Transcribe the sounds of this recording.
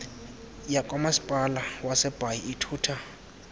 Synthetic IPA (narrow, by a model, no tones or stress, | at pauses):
jakʼwamasi̥pʼalawasɛb̥aiitʰuːtʰa